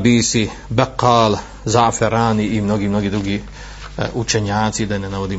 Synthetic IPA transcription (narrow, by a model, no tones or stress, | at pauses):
biːsi | baqːaːl | zafeɾaːniːmnoɡiːmnoɡiːd̪ɾuɡiː | ut͡ʃeɲaːt̪sid̪anenaʋod̪iː